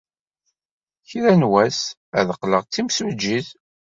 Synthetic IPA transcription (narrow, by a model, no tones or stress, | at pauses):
çɾænwæs | æðəqːləʁt͡sːimsd͡ʒːið